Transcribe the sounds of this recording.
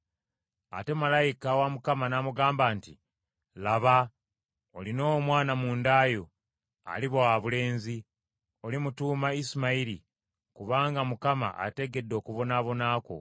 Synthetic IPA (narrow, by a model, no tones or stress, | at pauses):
a̰te̞malajikawamukamanamuɡaːmbaːnti | laβa | olino̞mwaːnamuːndaːjo̞ | a̰liβoaβule̞ːnzi | o̞limutuːmaisimaiɾi | kuβaːŋɡamukama̰ʔa̰te̞ɡe̞dːo̞ːkuβo̞naːβo̞naːko̞̰